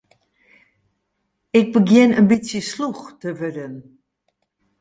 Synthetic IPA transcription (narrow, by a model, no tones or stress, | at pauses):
ɪɡ̚bəɡjɪnənbisjəsluxtəvødən